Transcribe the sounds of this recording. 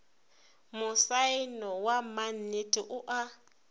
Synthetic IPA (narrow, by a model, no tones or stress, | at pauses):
mʊsainɔwamanitʼiʔʊʔa